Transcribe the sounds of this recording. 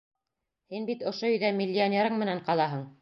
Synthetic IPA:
hinbit̪ŏʃoɵ̆jðæmʲɪlʲːɪonʲeɾɤɴmɘ̆næɴqɑlˠɑɦɤɴ

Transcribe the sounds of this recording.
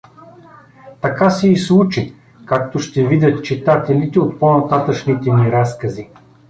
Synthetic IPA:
t̪ɐkasɛislˠut͡ʃi | kak̚t̪oʃt̪ɛvid̪ʲɐt̪t͡ʃit̪at̪ɛlit̪ɛot̪ponɐt̪at̪əʃnit̪ɛmiɾaskɐzi

